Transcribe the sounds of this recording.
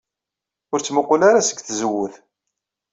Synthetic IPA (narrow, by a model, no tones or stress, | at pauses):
ʊɾt͡sːməqːʊlaɾasə̥ɡθzəwːʊθ